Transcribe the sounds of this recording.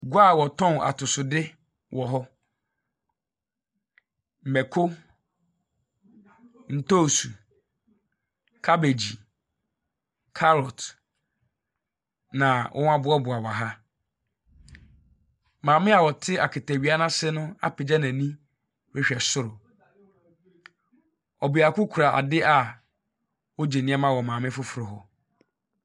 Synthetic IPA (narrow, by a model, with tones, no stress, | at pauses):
ɡʷa˦˨wɔ˨tʰɔ̃˦na̰˨tʰʊ˨sʊ˨dɪ˦ | wʔɔ˨ɦɔ˦ | m̩˨mɛ˨kʰo˦ | n̩˨to˦˨su˨ | kʰa˦be˨d͡ʑi˨ | kʰa˦lɔ˨t | nã˨wʔɔ̰̃˦n˦a˦bʊ˨˦ɔ˦bʊ˨a˨wa˨ɦa˦ | mãː˨mɪ̃˦a˨wɔ˨tʰɪ˦a˨kʰɪ˨tʰa˨ɥi˨˦a˦nã˦sɪ˦nʊ̃˦a̰˦pʰɪ˨d͡ʑa˦nã˨nĩ˦ | ɾɛ˦ɕᶣɛ˨sʊ˦ɾʊ˨ | ɔ˨bɪ˨a˨kʊ˦kʰʊ˨ɾa˨ʔa̰˨dɪ˦ʔa˨ | wo˦d͡ʑe˨nɪ̃˦ɛ˦mã˦wɔ˨mãː˨mɪ̃˦fʊ˦fɾʊ˨ɦɔ˨